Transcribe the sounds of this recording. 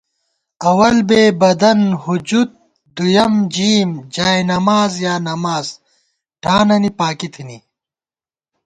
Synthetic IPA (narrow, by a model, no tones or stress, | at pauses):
ɐwɐlbeːbɐd̪ɐnhud͡ʑut̪̚ | d̪ujɐmd͡ʑiːmd͡ʑaːjnɐmaːzjaːnɐmaːz̥ | ʈʰaːnɐnipaːkit̪ʰini